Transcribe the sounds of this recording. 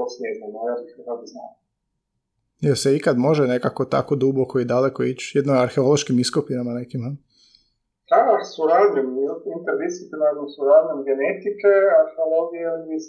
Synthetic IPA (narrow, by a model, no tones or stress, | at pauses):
osmʲjeznamajaɾikad̪ad̪zna̰ːm | elseikad̪mo̞ʒene̞kako̞t̪a̰kod̪ubokoid̪alekoit͡ʃjed̪noaɾxeolˠoʃkimiskopiɾamanekimhə | hasuɾad̪limizat̪int̪eɾvisit̪inakonsuɾad̪limɡenet̪ikeaɾxeoloɡijeis